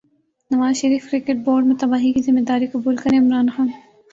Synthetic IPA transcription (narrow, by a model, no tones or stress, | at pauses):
nɐʋaːzʃɐɾiːfkɾɪkeʈ̚boːɾɖmẽt̪ɐbaːɦikizɪmːed̪aːɾikɐbuːlkɐɾẽɪmɾaːnxaːn